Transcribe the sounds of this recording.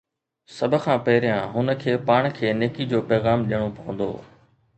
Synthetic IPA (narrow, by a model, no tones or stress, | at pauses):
sɐb̆ʱkʰãːpɐɦɪɾɪjãːɦʊnə̆kʰeːpaːɽ̃kʰeːneːkid͡ʑoːpɛːɣaːmɗijəɽ̃opɐʋə̃nd̪o̰ː